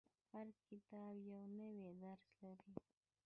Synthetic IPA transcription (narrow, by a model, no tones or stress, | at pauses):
haɾkɪt̪ɑbjawnəwed̪aɾslaɾi